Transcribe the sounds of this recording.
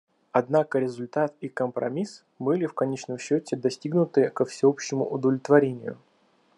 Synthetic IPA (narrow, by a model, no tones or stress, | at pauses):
ɐd̪nakəɾʲɪzʊlʲt̪at̪ikəmpɾɐ̰mʲis | bɨlʲɪfkɐnʲet͡ɕnəmɕːotʲɪd̪ɐsʲtʲiɡnʊt̪ɨkəfsʲɪopɕːɪmʊ̰ʔʊd̪əvlʲɪt̪vɐɾʲenʲɪjʊ̰